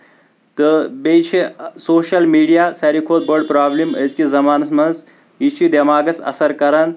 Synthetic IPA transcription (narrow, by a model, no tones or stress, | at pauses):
t̪ɨbejt͡ʃʰisoːʃɐlmiːɖijaːsɐɾikʰoːd̪̚bɐɾɖ̚pɾaːblimɐzkizɐmaːnɐsmɐnz | it͡ʃʰid̪ɐmaːɡɐsɐ̰sɐɾkɐɾɐn